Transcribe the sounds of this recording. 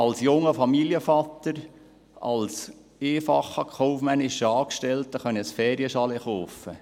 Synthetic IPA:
ɑlsjʊŋːəfɑmiːljəfɑt̪ːəɾ | ɑ̰ls | eːfɑχəkʰɔʊfmænɪʃəɑːkʃtɛltəχœnəsfɛːɾjəʃɑlɛχoːfə

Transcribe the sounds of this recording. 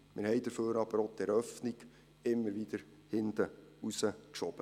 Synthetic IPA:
mɪɾhɛjd̥̪əɾføːɾɑb̥əɾot̪ɛɾœfniɡ̥ | ɪmːəɾʋid̪̥əɾ | hɪnd̪əusəkʃɔb̥ə

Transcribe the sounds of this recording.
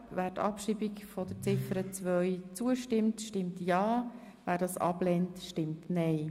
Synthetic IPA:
væːɾtɑ̰pʃiːbikfɔd̥ət͡sɪfəɾət͡sʋœʏt͡suəʃtɪmtʃtɪmtjɑː | væːɾdɑːsɑ̰plɛntʃtɪmtnɛɪ

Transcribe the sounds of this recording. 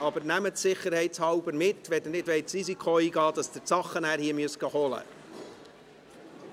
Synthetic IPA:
ɑbəɾnæmətsɪχːəɾhɛɪtshɑwbəɾmɪt̪ːʋɛd̪ənɪtʋɛɪtsɾisikʰχoiːɡɑːd̪̥ɑsd̥̪əsɑχːənæːɾhiːəmyəsɡɑhɔlə̰

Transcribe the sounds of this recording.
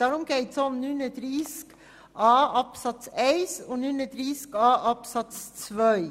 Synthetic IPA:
d̪̥æːɾʊmɡ̥ɛɪt̪sɔnnːʉnəd̪ɾisk | ʔɑːɑpsɑt̪seɪsoːnʉnəd̪ɾiskɑːʔɑpsɑt̪st͡sʋœʏ

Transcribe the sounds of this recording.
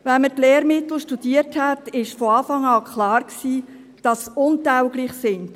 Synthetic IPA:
vɛnmətlɛːɾmɪtl̩ʃtud̥iərthɛtɪʃfɔɑːfɑŋɑːkχlɑːɾksiː | d̥ɑsʊntæwɡliːχsɪnd̥

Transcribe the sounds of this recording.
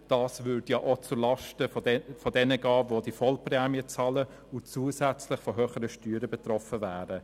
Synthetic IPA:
d̥ɑːsvʏdjaːʔot͡sʊɾlɑʃtəfɔdɛnəɡɑːvodifɔlprɛːmiət͡sɑlə | ʊt͡suːəsɛæt͡slɪχfɔɦøːχəɾəʃtyːɾəbɛtrɔfəvæːɾə

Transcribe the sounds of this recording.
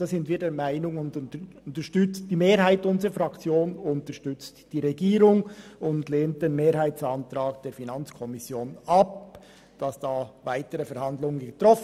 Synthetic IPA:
aːszɪntv̥iːɐdeːɐmaɪnʊŋʊndnəʊntəʃtʏt͡st̚d̥iːmeːɾɦaɪtʊnzʁəfʁɑkt͡sjoːnʊntəʃtʏt͡std̥iːʁɛɡiːɾʊŋʊndleːnt̚d̥enmeːɾɦaɪtt͡sɑntɾɑːk̚d̥eːɾfinɑnt͡skʰɔmɪsjoːnɑp̚ | d̥ɑsd̥aːvaɪtəʁəfɛɾhɑndlʊŋənɡ̥ətʁ̥ɔf

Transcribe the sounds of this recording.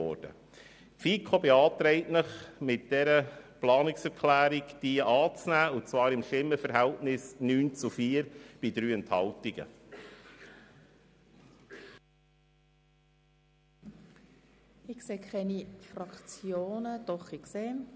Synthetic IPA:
ɔ̰ːɾd̥ə̰ | pfiːkʰobeɑːt̪ɾɛɪtnəχmɪt̚d̥ɛɾəplɑːnɪksɛɾkʰlæːɾikd̥iəʔɑːt͡snæːʊnt͡svɑːɾɪmʃɪmːəfəɾɦæltnɪsnyːnt͡sufiːəɾb̥idɾyːɛnthɑltiɡ̥ə̰ | ɪkseːkʰχɛnifrɑkt͡sjoːnəd̪̥ɔχikseː

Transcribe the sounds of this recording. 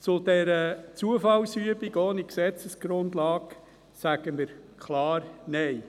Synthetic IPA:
t͡sʊd̥̪ɛɾət͡suəfɑlsyəbiɡoːniksɛt͡səsɡ̥ɾʊndlɑːɡ | sæɡ̥əməɾkʰlɑːɾnej

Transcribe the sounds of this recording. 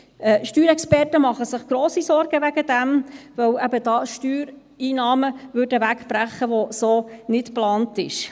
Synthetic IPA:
ɛʃtyːɾɛkspɛrtəmɑχəsɪχɡ̥ɾoːsisɔɾɡ̥əʋæɡ̥əd̥ɛmʋœwæbəd̥ɑːʃtyːɾ | iːnɑːməvʏɾdəʋækb̥ɾæχːəʋosoːnɪtplɑːntɪʃ

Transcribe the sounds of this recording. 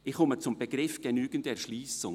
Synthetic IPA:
ɪχʊmət͡sʊmb̥eɡɾɪfɡ̥enyːɡəntɛɾʃliːsʊ

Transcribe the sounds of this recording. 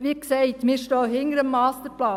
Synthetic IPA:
ʋiːksɛɪt̪miːɾʃtoːhɪŋəɾəmːɑːst̪əɾplɑː

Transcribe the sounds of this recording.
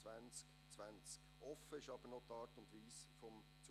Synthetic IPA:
vænt͡sk | t͡sʋænt͡skʔɔfəɪʃɑb̥əɾnɔtɑːɾtʊndʋiːsfɔm | t͡s

